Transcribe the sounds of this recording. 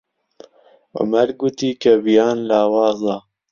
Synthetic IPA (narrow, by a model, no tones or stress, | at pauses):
o̰mɛɾɡut̪iːkɐbijaːnlaːwɑːzɑː